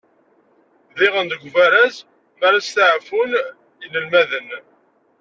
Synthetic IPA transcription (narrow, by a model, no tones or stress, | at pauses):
ðɪʁənd̪əɡʷvæɾæz | maɾast̪aʕfun | jənəlmæðən